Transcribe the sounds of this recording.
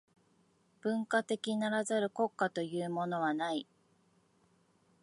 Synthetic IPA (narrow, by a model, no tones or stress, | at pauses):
b̥ɯ̟̃ŋkat̪e̞kʲinaɾazaɾɯ̟ko̞kːat̪o̞jɯ̟ːmo̞no̞β̞anai